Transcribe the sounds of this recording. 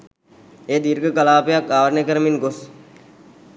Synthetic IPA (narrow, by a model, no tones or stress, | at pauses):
eːd̪iːɾkekəlaːpeɐkaːʋɾnekɐɾmɪnɡʊs